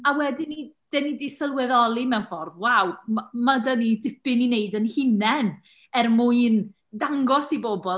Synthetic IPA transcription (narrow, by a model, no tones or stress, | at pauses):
awɛdɪnid̥ɛnidɪsəlˠwɛðɔlˠimɛwnfɔrðwawmamadənidɪpɪnineɨdənhɪnɛn | ɛrmuɨn | daŋɡɔsiboːbɔ